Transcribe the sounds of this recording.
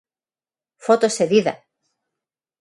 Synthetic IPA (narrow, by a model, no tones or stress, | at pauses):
fot̪oseðiðɐ̰